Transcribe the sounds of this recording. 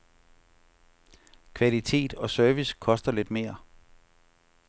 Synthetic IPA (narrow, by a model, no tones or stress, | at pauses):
kʰʋælit͡sʰe̝̰ːd̥ɒ̽sœɐʋiskʰɒ̽sd̥ɐle̝d̥me̝ːɐ